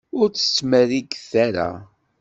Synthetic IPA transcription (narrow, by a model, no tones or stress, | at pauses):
ʊɾt͡sːə̥t͡sːməɾiɡθæɾa̰